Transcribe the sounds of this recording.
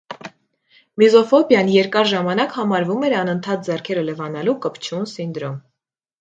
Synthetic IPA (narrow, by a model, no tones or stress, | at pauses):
mizɔfɔbjɑnjɛɾkɑɾʒɑmɑnɑkhɑmɑɾvumɛɾɑnənt̪ʰɑt̪̚d͡zɛrkʰɛɾələvɑnɑlukəpt͡ʃʰunsind̪ɾɔm